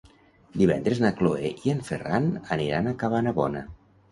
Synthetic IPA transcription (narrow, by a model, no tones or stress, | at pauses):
d̪iβɛ̰nd̪ɾeznakloḛʔieɱferanəniɾanakaβanaβɔnə